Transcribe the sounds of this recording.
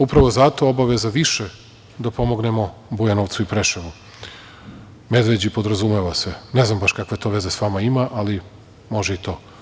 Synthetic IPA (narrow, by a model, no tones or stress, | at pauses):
upɾaʋo̞zat̪o̞obaʋezaʋiʃe | d̪apo̞mo̞ɡnemo̞bujanoʋt̪suipɾeʃeʋu | med̪ʋed͡ʑipo̞d̪ɾazumeʋaseneznambaʃkakʋe̞t̪o̞ʋe̞ze̞sʋamaimaʔali | moʒeit̪o̞ː